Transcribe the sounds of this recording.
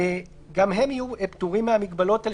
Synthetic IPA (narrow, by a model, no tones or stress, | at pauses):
e | ɡamɦe̞mijueptuʁimehamiɡbalo̞tal